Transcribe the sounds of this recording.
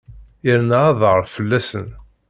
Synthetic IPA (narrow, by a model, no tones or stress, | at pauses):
iɾnaɑðˤʁəɾfəlːæsən